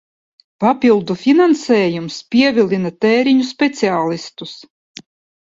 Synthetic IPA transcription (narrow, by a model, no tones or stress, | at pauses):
papʲilˠd̪ufʲinansɛːjumspʲiɛvʲilʲˠinat̪ɛːɾiɲuspʲɛt̪siaːlˠist̪us